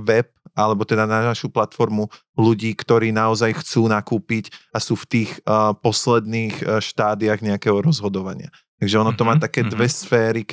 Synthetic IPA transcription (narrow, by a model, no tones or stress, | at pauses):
ʋɛp̚ʔalɛbɔt̪ɛd̪anaaʃuplat̪fɔɾmu | luɟiːkt̪ɔɾiːnaɔzajxt͡suːnakuːpicasuːft̪iːxpɔslɛd̪niːxʃt̪aːd̪iaɣɲɛakɛːɦɔɾɔzɦɔd̪ɔʋaɲɪa̰ | t̪aɡʒɛɔnɔt̪ɔmaːt̪akɛːd̪ʋɛsfɛːɾik